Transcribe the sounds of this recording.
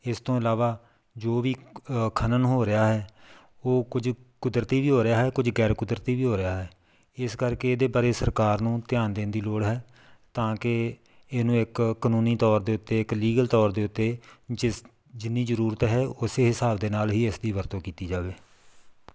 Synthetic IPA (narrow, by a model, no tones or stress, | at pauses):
ɪst̪õːɪlaːʋaː | d͡ʒoːʋiːkʰənənɦoːɾɪjaːɦɛː | oːkʊd͡ʒkʊd̪ɾət̪iːʋiːɦoːɾɪaːɦɛːkʊd͡ʒɡɛːɾkʊd̪ɾt̪iːʋiːɦoːɾɪaːɦɛː | ɪskəɾkeeːd̪eːbaːɾeːsəɾkaːɾnũːt̪ɪjaːnd̪eːnd̪iːloːɽɦɛː | t̪ãːkɪ | eːnũːɪkːənũːniːt̪ɔːɾd̪eːʊt̪ːeːɪkliːɡəlt̪ɔːɾd̪eːʊt̪ːeː | d͡ʒɪnːiːzəɾuːɾət̪ɦɛːʊseːɦɪsaːbd̪eːnaːlɦiːɪsd̪iːʋəɾt̪õːkiːt̪iːd͡ʒaːʋeː